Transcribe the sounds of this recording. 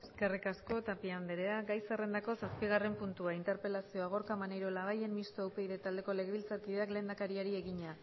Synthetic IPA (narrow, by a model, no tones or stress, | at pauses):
eske̞rikasko̞t̪apiambeɾe̞aɡajsere̞nd̪ako̞saspiɣ̞are̞mpunt̪uaint̪e̞ɾpe̞lasio̞aɣ̞o̞ɾkamanejɾo̞laβaje̞nmist̪oawpe̞iðet̪ald̪e̞ko̞le̞ɣeβilt͡sat̪iðeakle̞ːnd̪akaɾiaɾie̞ɣiɲa